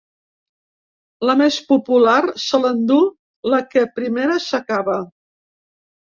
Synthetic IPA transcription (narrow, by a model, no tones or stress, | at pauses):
ləmespupularsələnd̪u | ləkəpɾimeɾəsəkaβə